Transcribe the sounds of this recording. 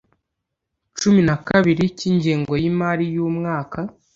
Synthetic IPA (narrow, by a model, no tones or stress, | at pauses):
t͡ʃuminakaβiɾiciːɲɟeːŋɡo̞jimaːɾijuːmŋaːka